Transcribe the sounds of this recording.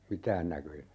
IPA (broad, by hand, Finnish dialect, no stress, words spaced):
mitæːn nækøjæ